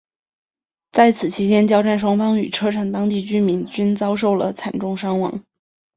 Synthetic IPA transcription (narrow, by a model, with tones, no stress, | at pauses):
t͡sa˥˩ɪt͡sʰɹ̩˨˩t͡ɕʰi˧˥t͡ɕjɛ˥nt͡ɕjɑ˥ʊʈ͡ʂa˥˩nʂ̬wɑ˥ŋfɑ˥ŋy̰˨˩ʈ͡ʂʰɤ˥ʈ͡ʂʰa˨˩ŋt̪ɑ˥ŋt̪i˥˩t͡ɕy˥nmi˧˥nt͡ɕy˥nt͡sɑ˥ʊʂ̬o˥˩ʊlə̰˩t͡sʰa˨˩nʈ͡ʂʊ˥˩ŋʂɑ˥ŋwɑ̰˧˥ŋ